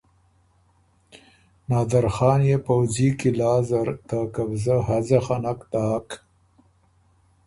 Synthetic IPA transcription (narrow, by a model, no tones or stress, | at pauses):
nɑːd̪aɾxɑːnjepawzikilɑːzaɾt̪akabzaɦazaxanakt̪aːk